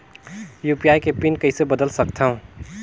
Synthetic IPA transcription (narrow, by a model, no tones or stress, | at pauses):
jupijaːjkepinkɐɪsebəd̪əlsɐkt̪aɦũ